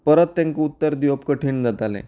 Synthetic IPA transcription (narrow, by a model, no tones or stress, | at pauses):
pəɾət̪ːãŋkeut̪ːəɾd̪jopkəʈʰiːɳd͡zat̪alḛ̃